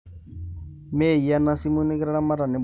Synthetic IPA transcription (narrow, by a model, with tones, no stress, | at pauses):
me˦˨i˨ja˦na˦si˦mu˦ni˦kɾa˦ɺa˦ma˦ɾa˨nɛ˨b